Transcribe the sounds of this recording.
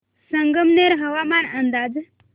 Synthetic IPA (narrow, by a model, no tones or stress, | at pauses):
səŋɡəmneɾɦəʋamanənd̪ad͡z